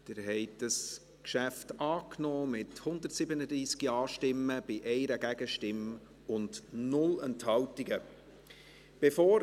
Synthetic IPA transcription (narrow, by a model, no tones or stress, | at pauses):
d̥̪ɪːɾɦɛɪtd̥ɑs | kʃæftɑːknɔːmɪthʊnd̪əɾtsɪbənədɾiːskiɑːʃtɪməb̥ɪʔɛɪɾəɡæɡ̥əʃtɪm | ʊndnʊlɛnthɑltiɡə | b̥efoːɾ